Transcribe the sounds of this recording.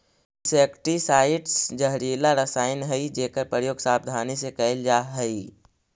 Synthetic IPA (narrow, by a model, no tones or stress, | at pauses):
seːkʈisaːɪʈsd͡ʒəɦɾeːlaɾəsaːɪnɦɛid͡ʒeːkəɾpɾəjoːɡsaːb̚d̪ʱaːnisekɐɪld͡ʒaːɦɛi